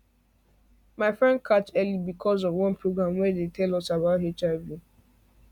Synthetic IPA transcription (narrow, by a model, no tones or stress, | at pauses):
maɪfɹɛ̃nd̚kʰat͡ʃɛlibikʰɔzɔvwɔ̃npʰɹoɡɹãmwɛdetɛlɔsabaʊtɦet͡ʃavju